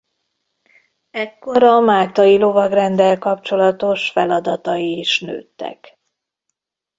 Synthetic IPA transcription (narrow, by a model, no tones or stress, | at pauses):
ɛkːo̞ɾɒmaːt̪ɒjilo̞vɒɡrɛnd̪ɛlkɒpt͡ʃo̞lɒt̪o̞ʃfɛlɒd̪ɒt̪ɒjiːʃnø̰ːt̪ːɛ̰k